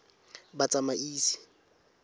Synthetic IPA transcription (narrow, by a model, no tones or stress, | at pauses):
bat͡sʼamaʔiːsi̥